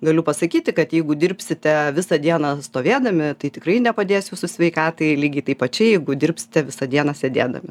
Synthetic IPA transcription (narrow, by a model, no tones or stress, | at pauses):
ɡɐlʲʊpɐsɐkʲiːt̪ʲɪkɐt̪jɛɪɡʊd̪ʲɪrʲpʲsʲɪt̪ʲɛʋʲɪsɐd̪ʲiɛnɐst̪oːʋʲeːd̪ɐmʲɪt̪ɐɪt̪ʲɪkrɐɪnʲɛpɐd̪ʲeːsjuːsʊsʲʋʲɛɪkɑːt̪ɐɪlʲiːɡʲɐɪt̪ɐɪpɐt͡ʃʲɛjɛɪɡʊd̪ʲɪrʲpʲsʲɪ̥t̪ʲɛʋʲɪsɐd̪ʲiɛnɐsʲɛd̪ʲeːd̪ɐ̰mʲɪ